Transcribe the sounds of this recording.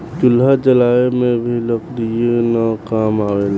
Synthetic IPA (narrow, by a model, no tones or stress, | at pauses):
d͡ʒʊlːad͡ʒəlaːemẽbʱiləkd̪ijenəkaːmaːwel